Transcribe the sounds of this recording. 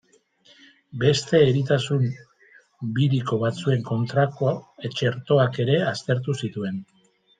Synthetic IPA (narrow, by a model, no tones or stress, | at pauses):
be̞st̪e̞ːɾit̪̬asum | biɾiko̞βat͡sue̞ŋko̞nt̪ɾakoet͡ʃe̞ɾt̪o̞ake̞ɾe̞ast̪e̞ɾt̪̬usit̪ue̞n